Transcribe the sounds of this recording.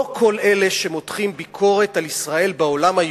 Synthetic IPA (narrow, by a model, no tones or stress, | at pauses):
kʰo̞le̞le̞ʃemo̞t̪χimbikʰo̞ʁe̞talisʁae̞lbeo̞lamaj